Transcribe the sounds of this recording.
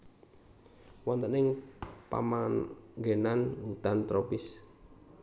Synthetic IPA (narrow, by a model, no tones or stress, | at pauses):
wɔnt̪ənɪŋpa̰maɡenanwut̪ant̪ɾopɪs